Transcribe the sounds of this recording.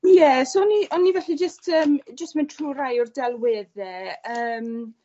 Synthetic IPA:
jɛsoɔniʔɔnːivɛɬid͡ʒəstʰəːmd͡ʒəstmɛntʰruːrajɔrdɛlˠwɪðɛəːm

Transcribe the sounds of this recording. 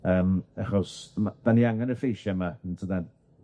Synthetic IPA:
əːmaχɔsmad̥aniaŋanəfejʃɛmantʰədɛn

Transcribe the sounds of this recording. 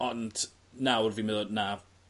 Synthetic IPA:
ɔnd̥ | nawrvimɪðɔdna

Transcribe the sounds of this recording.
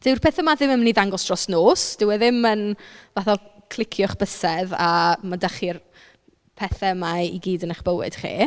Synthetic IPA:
d̥ɪwr̥pʰɛθəmaðɪməmniðaŋɡɔsd̥rɔsnoːsd̥ɪwɪðɪmənvaθɔkʰlˠɪkʰjɔχb̥əsɛðamadaχir | pʰɛθɛmaḭɡiːdənaχb̥əwɪ̰d̥χḭː

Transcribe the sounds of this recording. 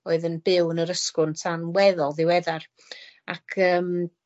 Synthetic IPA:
oːɨðənbɪwnəɾəskʊntʰanwɛðɔlˠðɪwɛðar | akʰəːm

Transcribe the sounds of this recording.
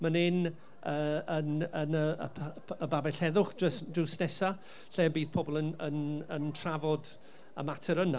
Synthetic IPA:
mənɪn | əːənənəə | əbabɛɬɛðʊχəsd͡ʒusnɛsa | ɬeːbiːðpʰɔbɔlˠənənəntʰravɔd | ə̰matʰəɾəna

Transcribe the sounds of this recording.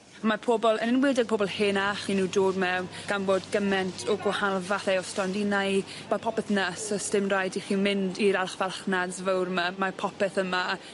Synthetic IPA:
amapʰɔbɔlˠənɪnwɪːdɛɡ̚pʰoːbɔlˠheːnaχinuːdoːdmɛwn | ɡ̥anboːdɡəmɛntʰɔɡwɔhalˠvaθɛɔstɔndinaj | mapʰɔpɛθnəsəstɪmrajdiχiːmɪndiɾalˠχvalˠχnadzvəwrmamapʰɔpɛθəma

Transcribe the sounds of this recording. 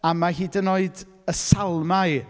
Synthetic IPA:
amahiːdənoɨd | əsalˠmaɨ

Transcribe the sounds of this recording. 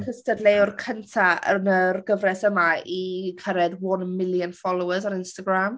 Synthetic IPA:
nhəstədlejʊrkʰəntʰaə̰nərɡəvrɛsəmaikʰəɾɛdwɔnmɪlˠjənfɔlˠowəzaɾɪnstaɡram

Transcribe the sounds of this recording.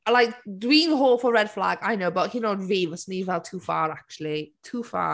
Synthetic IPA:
laɪkdwĩːnɦɔːfəɹɛd̥fla̰ɡaɪnoʊbaʔhinənɹiːvəsniːvɛlˠtʰuːfɑ̰ːɹak̚t͡ʃuəl̩ˠitʰuːfɑ̰ː

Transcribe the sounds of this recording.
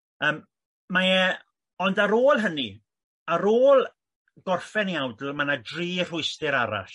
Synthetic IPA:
əːmː | ajɛ | ɔndaɾoːlˠɦəni | aɾoːlˠ | ɡ̥ɔrfɛniawdl̩ˠmanadriːr̥ʊɨstɪɾaɾa̰ɬ

